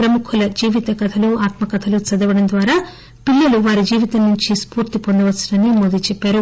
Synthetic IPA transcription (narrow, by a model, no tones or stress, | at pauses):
pɾɐmukʰulɐd͡ʒiːʋit̪ɐkɐt̪ʰɐluaːt̪mɐkɐt̪ʰɐlut͡ʃɐd̪ɐʋɐɽɐnd̪ʋaːɾaː | piɭːɐluʋaːɾid͡ʒiːʋit̪ɐnnuɲt͡ʃispuːɾt̪ipond̪ɐʋɐt͡ʃːɐ̥ɽɐnimod̪it͡ʃɛpːaːɾu